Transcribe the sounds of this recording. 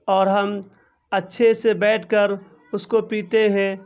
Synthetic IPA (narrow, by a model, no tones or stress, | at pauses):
ɔːɾɦɐm | ɐtːʃʰesebɛːʈʰkəɾ | ʊskopiːt̪eɦɛ̃ː